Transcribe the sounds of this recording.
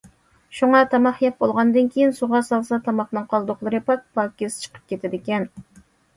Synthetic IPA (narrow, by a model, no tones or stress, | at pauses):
ʃuŋɑt̪ʰɑmɑχjɛp̚bolˠʁɑnd̪ɨnkʲejinsuʁɑsɑlˠsɑt̪ʰɑmɑχnɨŋqʰːɑlˠd̪ʊqlˠɨɾɨpʰɑk̚pɑkʲest͡ʃʰə̥qʰə̥p̚kʲʰet̪ʰɪd̪ɪkʲɛn